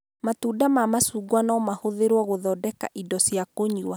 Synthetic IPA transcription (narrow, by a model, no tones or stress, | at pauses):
matuːdamamasuːɡwanɔmahoðeɾwɔɣoðɔdɛka̰ʔidɔsjakoɲua